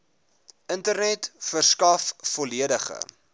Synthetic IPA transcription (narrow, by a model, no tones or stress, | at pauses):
ʔəntərnɛtfərskɐfːɔliədəχə̰